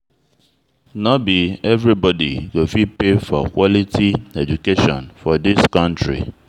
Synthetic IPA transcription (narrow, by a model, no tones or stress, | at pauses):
nɔbiɛvɹibɔdḭɡofipefɔ̰kwɔlitʰiɛd͡ʒukeʃɔ̰̃nfɔdiskʌ̃ntɹḭ